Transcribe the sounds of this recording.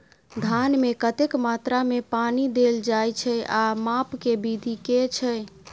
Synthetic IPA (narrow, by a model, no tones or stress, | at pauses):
d̪ʱanmekət̪ekmat̪ɾamepanid̪eld͡ʒajt͡ʃʰɛamapkebid̪ʱiket͡ʃʰɛ